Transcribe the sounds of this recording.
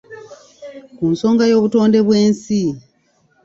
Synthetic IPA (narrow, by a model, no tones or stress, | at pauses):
kunso̞ːŋɡajo̞ːβuto̞ːnde̞βwe̞ːnsi